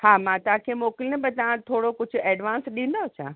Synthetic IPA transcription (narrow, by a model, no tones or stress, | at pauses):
haːmãːt̪ɐãkʰeːmoːkɪlɪnəbət̪ɐʋ̤ãt̪ʰoːɽokʊd͡ʑʱʊ̆ɛːɖʋãːnsɗĩːnd̪oɐt͡ɕʰa̰ː